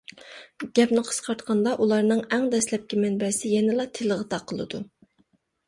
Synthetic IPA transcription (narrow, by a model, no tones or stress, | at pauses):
ɡʲɛpnɪqʰə̥sqʰɑɾt̪qʰɑnd̪ɑʔulˠɑɾnɨŋɛŋd̪ɛslɛp̚kʲimɛnbɛsɪjɛnɪlˠɑt̪ʰɪləʁət̪ʰɑqʰːəlˠɨ̰d̪u